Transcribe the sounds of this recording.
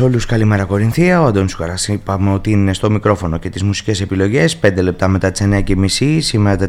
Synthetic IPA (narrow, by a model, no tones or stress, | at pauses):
o̞luskɐlimeɾɐko̞ɾinθiɐoɐd̪onsukɐɾɐsipɐmeo̞t̪iininest̪o̞mikɾo̞fo̞no̞ce̞t̪izmusi̥ce̞se̞pilo̞ʝe̞spe̞nd̪e̞le̞p̚t̪ɐme̞t̪ɐt̪i̥seneɐcemisisimeɾɐt̪e